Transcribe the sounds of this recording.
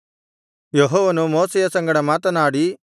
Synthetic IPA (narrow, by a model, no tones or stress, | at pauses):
jeɦɔːʋɐnumoːsɛjɐsɐŋɡɐɽɐmaːt̪ɐnaːɽi